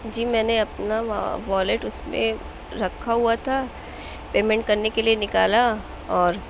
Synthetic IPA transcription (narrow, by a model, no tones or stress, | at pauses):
d͡ʒiːmɛ̃ːneɐpna̰ʋɔːleʈʊsmḛ̃ | ɾɐkʰːaɦuat̪ʰa | peːmɛ̃ɳʈ̚kɐɾnekelienɪkaːla | ɔːɾ